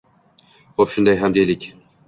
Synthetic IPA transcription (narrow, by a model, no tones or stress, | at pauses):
χopʃʊnd̪ajɦamd̪ejlɪkʲ